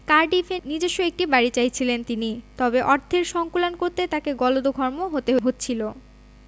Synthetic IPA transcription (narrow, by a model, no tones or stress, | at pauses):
kaɾɖifenid͡ʑeʃːoek̚ʈibaɾit͡ɕajt͡ɕʰilent̪init̪ɔbeʔɔɾd̪ʰʱeɾʃɔŋkulankoɾt̪et̪akeɡɔlod̪oɡʱɔɾmoɦot̪eɦotːɕt͡ɕʰilo